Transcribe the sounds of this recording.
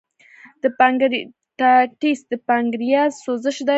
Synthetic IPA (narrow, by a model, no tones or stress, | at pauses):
d̪̥əpaŋɡɾ | ʈaʈisd̪əpaŋɡɾijɑsozəʃd̪a